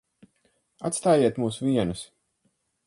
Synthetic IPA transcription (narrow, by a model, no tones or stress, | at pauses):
a̰t̪st̪aːjiɛt̪muːsviɛnus